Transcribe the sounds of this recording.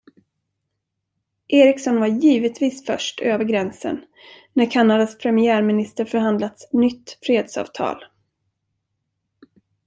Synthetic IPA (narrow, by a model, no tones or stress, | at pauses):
ʔeːɾɪksɔnvaɾjiːvət̪viːsfœ̰ʂʈʰøːvəɾɡɾɛnsə̰nː | æɾkʰanːad̪aspʰɾɛmɪæːɾmɪnɪst̪əɾfœɾhand̪lat̪snʏt̪ːfɾeːd̪sɑ̰ːvt̪ʰɑ̰ːl